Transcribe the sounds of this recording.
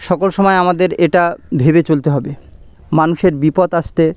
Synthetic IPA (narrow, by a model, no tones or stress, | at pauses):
ʃɔkolʃɔmɔeamad̪eɾeʈabʱebet͡ɕolt̪eɦɔbe | manuʃeɾbipot̪aʃt̪e